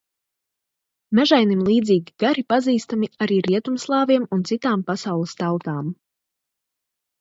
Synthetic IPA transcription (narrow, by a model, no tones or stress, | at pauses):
mʲæʒajnimlˠiːd̪ziːɡʲiɡ̥aɾipaziːst̪amiaɾiːɾiɛt̪umslˠɑːviɛmunt̪sit̪aːmpasawlˠəst̪awt̪aːm